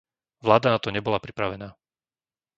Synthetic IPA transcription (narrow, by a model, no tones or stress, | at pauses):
ʋlaːd̪anat̪ɔɲɛbɔlapɾipɾaʋɛnaː